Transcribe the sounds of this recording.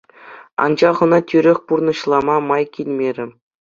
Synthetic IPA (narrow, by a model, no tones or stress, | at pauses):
ɑ̰nd͡ʑɑχɤ̆nɑtʲyɾʲɘ̆xʲpurnɤ̆ɕlˠɑmɑmɑjkʲilʲmʲeɾʲɘ̆